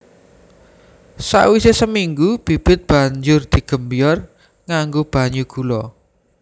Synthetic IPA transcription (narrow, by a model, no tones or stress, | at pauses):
sa̰wisesəmiŋɡub̥i̤b̥ɪ̤t̪̚b̥ä̤ɲd͡ʒʊrd̪̥i̤ɡ̥ə̤mbijɔr | ŋaŋɡob̥a̤ɲuɡ̥ulɔ